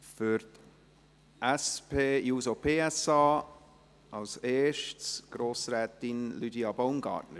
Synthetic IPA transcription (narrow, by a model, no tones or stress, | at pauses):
fʏɾt | ʔæspʰeːjuːsopʰeːɛsɑː | ʔɑlseːʃtsɡ̥ɾoːsɾɛːtɪnlydiɑbonɡɑ̰ːɾtnə